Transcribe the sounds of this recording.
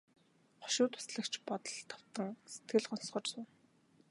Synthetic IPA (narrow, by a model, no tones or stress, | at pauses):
χɔ̥ʃʊːt̪ʰʊ̥sɮə̆kt͡ɕpɔt̪ɞ̆ɮt̪ʰɔ̥w̥t̪ə̆ŋse̥t̪ɡɘ̆ɮχɔnsχɞ̆t͡ɕsʊːn